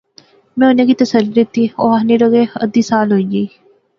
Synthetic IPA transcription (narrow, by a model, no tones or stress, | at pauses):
mɛ̃ːʊnẽːkiːt̪əsəlɾət̪ːiːoːaneːɾəɡeːə̰d̪iːsaːlɦoːiːd͡ʒiː